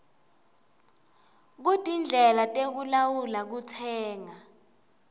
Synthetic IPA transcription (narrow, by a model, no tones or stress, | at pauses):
k̬utʼind͡ɮʱɛlatʼek̬ulawulak̬utʰɛːŋa